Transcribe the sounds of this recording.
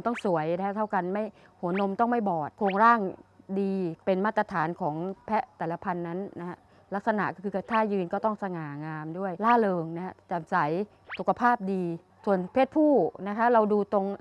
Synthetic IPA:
t̪ɔ˥˩ŋsu˩˦əjna˦˥a˦˥t̪ʰa˥˩wka˧nma˥˩j | hu˩˦ɐno˧mt̪ɔ˥˩ŋma˥˩jbɔː˨˩t̪̚kʰoː˧ŋɾaː˥˩ŋdiː˧pe˧nmaː˥˩t̪̚ːɾa˧t̪ʰaː˩˦nkʰɔː˩˦ŋpʰɛ˦˥t̪ɛː˨˩la˧pʰa˧nːa˦˥nːa˦˥ha˦˥ | la˦˥k̚sa˧na̰˨˩ʔkɔː˥˩ɯː˧a˧˩t̪ʰaː˥˩jɯː˧nkɔː˥˩t̪ɔ˥˩ŋsa˧ŋaː˨˩ŋaː˧mdu˥˩əjlaː˥˩lɤː˧ŋna˦˥hʰa˦˥t͡ɕa˨˩msa˩˦j | su˨˩kʰa˧pʰaː˥˩p̚diː˧ | su˨˩ənpʰeː˥˩t̪̚pʰuː˥˩na˦˥kʰa˦˥ɾa˧wduː˧t̪o˧ŋ

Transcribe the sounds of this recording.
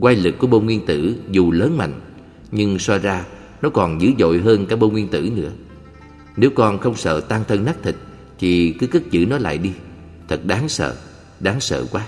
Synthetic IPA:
kwa˧jlɨ˨˩k̚ːu˧˩əɓo˧ŋwi˧ənt̪ɨ̰˧˩zu˨˩ləː˨˦nma̰˧˨jŋ̟ | ɲɨ˧ŋswɔ˧zaː˧ | nɔ˨˦kɔ˨˩nzɨ̰˧˥zo̰˧˨jɦəː˧nkaː˦˥jɓo˧ŋwi˧ənt̪ɨ̰˧˩nɨ̰˧˥ə | ne˨˦wkɔ˧nxə˧wŋ͡msə̰ː˧˨t̪aː˧ŋt̪ʰə˧ŋnaː˦˥k̚t̪ʰi˨˩k̟̚ | t͡ɕ̪ʰi˨˩kɨ˨˦kɨ˦˥k̚zɨ̰˧˥nɔ˨˦la̰ː˧˨jɗi˧ | t̪ʰɨ˨˩k̚ɗaː˨˦ŋsə̰ː˧˨ | ɗaː˨˦ŋsə̰ː˧˨kwaː˨˦

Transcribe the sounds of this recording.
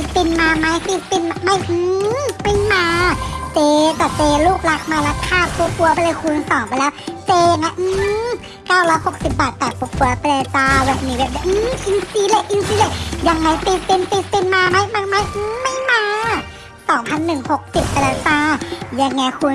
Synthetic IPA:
i˧˩p̪i˧nmaː˧ma˧˥˦jt̪i˧˩tpi˧˩nma˧ma˧˩jʔɯː˧ma˧˩jmaː˧t͡ɕeː˧k̪ɔː˧˩teː˧luː˧˥˩k̚la˧˥k̚maː˧la˧˥kʰːaː˧˥˩pʰo˧˦p̚ku˧ɐpləː˧jkʰuː˧nsɔː˨˩˦ŋpa˧jlɛː˧˥wteː˧na˧˦ʔɯː˧˦ | kaː˧˩wlɔː˦˥jho˨˧˦k̚si˨˩p̚baː˨˩t̪ːɛː˨˩k̚pʰo˧˦p̚ku˧ɐ˧pa˧le˧˩saː˧bɛː˧˩p̚niː˧˩bɛː˧˩dɛː˧˨ʔɯ˧˦ʔi˧nsiː˧˦le˧ʔʔi˧nsiː˧˦le˧˩ja˧ŋːa˧˩jt̪i˧˩t̪i˧nt̪i˧˩t̪̚p̪i˧nmaː˧ma˧˥jma˧˩˨ma˧˥˨jʔɯː˧˦ma˧˥˩jmaː˧ | sɔː˨˩˦ŋpʰa˧˥˨nːɯ˨˩ŋho˧˩k̚si˨˩p̚pɛ˧laː˧˩saː˧˩ja˧˩ŋŋːɛː˧˩kʰuː˧n

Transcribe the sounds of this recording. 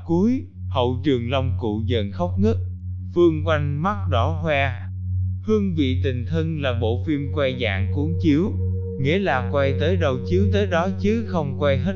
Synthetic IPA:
ku˨˦əj | hə̰˧˨wt͡ɕɨ˨˩əŋlə˧wŋ͡mkṵ˧˨zə˨˩nxə˦˥wk͡p̚nɨ˦˥ək̚ | fɨ˧əŋkwa˧jŋ̟ma˦˥t̚ɗɔ˧˩hwɛ˧ | hɨ˧əŋvḭ˧˨t̪ï˨˩ŋ̟t̪ʰə˧nlaː˨˩ɓo̰˧˨fi˧mkwa˧jza̰ː˧˨ŋku˨˦əŋt͡ɕi˨˦əw | ŋḭ˧˥əlaː˨˩kwa˧jt̪əː˨˦jɗə˨˩wt͡ɕi˨˦əwt̪əː˨˦jɗɔ˨˦t͡ɕɨ˨˦xə˧wŋ͡mkwa˧jɦə˦˥

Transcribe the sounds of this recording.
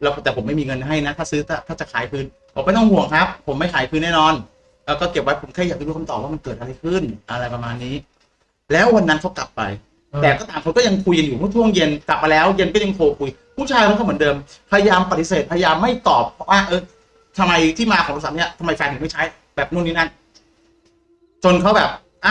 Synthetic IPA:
lːt̪ɛː˨˩pʰmːa˥˩jmiː˧ŋɤ˧nɦa˥˩jna˦˥t̪ʰaː˥˩sɯː˦˥t̪a˦˧˩t̪ʰaː˥˩t͡ɕa˨˩kʰaː˩˦jpʰɯː˦˥n | pʰɔ˨˦pa˧jt̪ɔ˥˩ŋhu˨˩əŋkʰa˦˥p̚ʰːo˩˦mːa˥˩jkʰaː˨˩˦jpʰɯː˦˥nːɛː˥˩nɔː˧n | ʔɤː˧˩kɔː˥˩ke˨˩p̚wa˦˥pʰo˩˦mʰkʰːjaː˨˩a˧˩ɾuː˦˧˥ka˧t̪ɔː˨˩p̚waː˥˩m˧nkɤː˨˩t̪̚a˧ɾa˧jkʰɯ˥˩nʔa˧ɾa˧jpa˧maː˧nːiː˦˥ | lɛː˦˥wwa˧nːa˦˥nkʰa˦˥wkla̰˨˩p̚ːa̰˧j | t̪ɛː˨˩kɔː˥˩t̪aː˨˩mkʰnkɔː˥˩ja˧ŋkʰu˧jka˧njuː˨˩mu˥˩˨t̪ʰu˥˩əŋje˧nkla˨˩p̚ːa˧lɛː˦˥wje˧nkɔː˥˩ja˧ŋkʰoː˧kʰu˧j | pʰuː˥˩t͡ɕʰaː˧jkʰkʰa˥˩mɯ˩˦ndɤː˧mpʰa˧ja˧jaː˧mpa˨˩t̪ːi˦˥s̬eː˨˩t̪̚pʰːja˧jaː˧mːa˥˩jt̪ɔː˨˩pʰːɔ˦˥waː˥˩ʔɤː˧ | t̪ʰa˧mːa˧jt̪ʰiː˥˩maː˧kʰɔː˨˦ŋɾsa˨˦˥ni˥˩t̪ʰa˧ma˧jfaː˧ŋt̪ʰma˥˩jt͡ɕʰa˦˥j | bɛː˨˩p̚nu˥˩niː˦˥na˥˩ | t͡ɕo˧nkʰa˦˥wbɛː˨˩p̚ | ʔa˧˩

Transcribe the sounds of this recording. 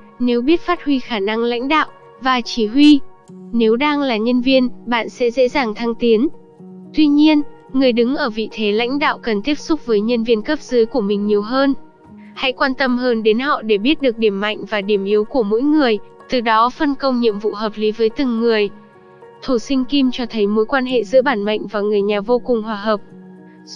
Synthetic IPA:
ne˨˦wɓi˦˥ət̚faː˦˥t̚hwi˧xaː˧˩na˧ŋla̰˧˥jŋ̟ɗa̰ː˧˨wʔ | vaː˨˩t͡ɕi˧˩ɦwi˧ne˨˦wɗaː˧ŋlaː˨˩ɲə˧nvi˧ənɓa̰ː˧˨nsɛ̰˧˥zḛ˧˥zaː˨˩ŋt̪ʰaː˧ŋt̪i˨˦ən | t̪wi˧ɲi˧ən | ŋɨ˨˩əjɗɨ˨˦ŋʔəː˧˩vḭ˧˨t̪ʰe˨˦la̰˧˥jŋ̟ɗa̰ː˧˨wkə˨˩nt̪i˦˥əp̚sʊ˦˥k͡p̚vəː˨˦jɲə˧nvi˧ənkə˦˥p̚zəː˨˦jku˧˩əmï˨˩ŋ̟ɲi˨˩əwɦəː˧n | ha̰˧˥jkwaː˧nt̪ə˧mhəː˧nɗe˨˦nhɔ̰˧˨ɗe˧˩ɓi˦˥ət̚ɗɨ˨˩ək̚ɗi˧˩əmːa̰˧˨jŋ̟vaː˨˩ɗi˧˩əmʔi˨˦wku˧˩əmo̰˧˥jŋɨ˨˩əj | t̪ɨ˨˩ɗɔ˨˦fə˧nkə˧wŋ͡mɲḭ˧əmvṵ˧˨ɦəː˨˩p̚li˨˦vəː˨˦jt̪ɨ˨˩ŋːɨ˨˩əj | t̪ʰu˧˩sï˧ŋ̟ki˧mt͡ɕɔ˧t̪ʰə˨˦jmo˨˦jkwaː˧nɦḛ˧˨zɨ̰˧˥ɓaː˧˩nma̰˧˨jŋ̟vaː˨˩ŋɨ˨˩əjɲaː˨˩vo˧kʊ˨˩ŋŋ͡mɦwaː˨˩ɦəː˨˩p̚

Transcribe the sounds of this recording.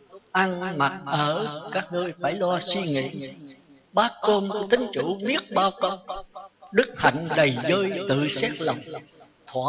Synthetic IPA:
ʔa˧nma˨˩t̚ʔəː˧˩kaː˦˥k̚ŋəː˧jfaː˧˩jlɔ˧swi˧ŋḭ˧˥ | ɓaː˦˥ko˧mt̪ï˨˦ŋ̟t͡ɕu˧˩˦mi˦˥ət̚ɓaː˧wkə˧wɗɨ˦˥k̚ha̰˧˨jŋ̟ɗə˨˩jzəː˧jt̪ɨ̰˧˨sɛ˦˥t̚lə˨˩wŋ͡m | t̪ʰwaː˧˩

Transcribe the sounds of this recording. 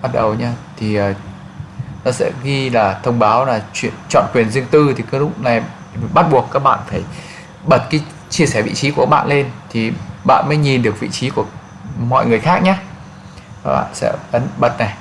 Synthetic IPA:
ɓt̚ɗə˨˩wɲaː˧t̪ʰi˨˩əː˨˩ | nɔ˨˦sɛ̰˧˥ɣi˧laː˨˩t̪ʰə˧wŋ͡mɓaː˨˦wlaː˨˩t͡ɕwḭ˧˨ənt͡ɕɔ̰˧˨nkwi˨˩ənzɨ˧əŋt̪ɨ˧t̪ʰi˨˩kaː˨˦jlʊ˦˥k͡p̚na˨˩j | ɓa˦˥t̚ɓu˨˩əkːaː˦˥k̚ɓa̰ː˧˨nfaː˧˩j | ɓə˨˩t̚kaː˨˦j | t͡ɕi˧əsɛː˧˩vḭ˧˨t͡ɕi˨˦kka˦˥ɓa̰ː˧˨le˧nt̪ʰi˨˩ɓa̰ː˧˨nməː˨˦jɲi˨˩nɗɨ˨˩ək̚vḭ˧˨t͡ɕi˨˦ku˧˩ə | mɔ̰˧˨jŋɨ˨˩əjxaː˦˥k̚ɲaː˧ | ka˦˥ɓa̰ː˧˨nsɛ̰˧˥ʔə˨˦nɓə˨˩t̚na˨˩j

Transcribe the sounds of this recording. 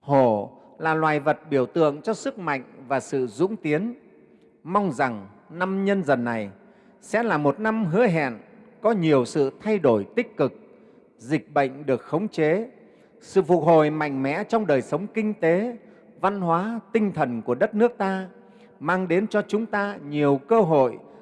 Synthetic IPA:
ho˧˩ | laː˨˩lwaː˨˩jvə˨˩t̚ɓi˧˩əwt̪ɨ̰˧˨əŋt͡ɕɔ˧sɨ˦˥k̚ma̰˧˨jŋ̟vaː˨˩sɨ̰˧˨zʊ̰˧˥ŋ͡mt̪i˨˦ən | ma˧wŋ͡mza˨˩ŋ | na˧mɲə˧nzə˨˩nːa˨˩j | sɛ̰˧˥laː˨˩mo˨˩t̚na˧mɦɨ̰˧˥əɦɛ̰˧˨nkɔ˨˦ɲi˨˩əwsɨ̰˧˨t̪ʰa˧jɗo˧˩jt̪ï˦˥k̟̚kɨ˨˩k̚ | zï˨˩k̟̚ɓə̰˧˨jŋ̟ɗɨ˨˩ək̚xə˨˦wŋ͡mt͡ɕe˨˦ | sɨ̰˧˨fʊ˨˩k̚ho̰˨jma̰˧˨jŋ̟mɛ̰˧˥t͡ɕɔ˧wŋ͡mɗəː˨˩jsə˨˦wŋ͡mkï˧ŋ̟t̪e˨˦ | va˧nɦwaː˨˦t̪ï˧ŋ̟t̪ʰə˨˩nku˧˩əɗə˦˥t̚nɨ˦˥ək̚t̪aː˧ | maː˧ŋɗe˨˦nt͡ɕɔ˧t͡ɕʊ˨˦ŋ͡mt̪aː˧ɲi˨˩əwkəː˧ɦo̰˧˨j

